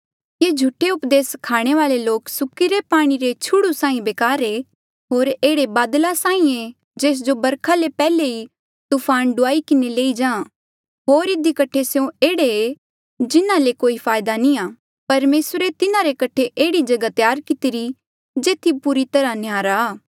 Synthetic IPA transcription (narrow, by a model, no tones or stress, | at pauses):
jeːd͡ʒʱʊʈeʊpd̪eːskʰaːɽ̃eʋaːleloːksʊkːiɾepaːɽ̃iɾet͡ʃʰʊɽusãːĩbeːkaːɾe | ɦoːɾeːɽebaːd̪lasaːĩe | d͡ʒeːs̬d͡ʒobɐɾkʰalepɛːlei | t̪upʰaːnɖʊaːikɪneleːid͡ʒãː | ɦoːɾɪd̪ikɐʈʰeseõeːɽee | d͡ʒɪnãlekoːipʰaːjd̪anĩaː | pɐɾmeːsɾet̪ɪnãɾekɐʈʰeʔeːɽid͡ʒɐɡat̪jaːɾkɪt̪ɪɾi | d͡ʒeːt̪ʰipuɾit̪ɐɾanɪjaːɾaː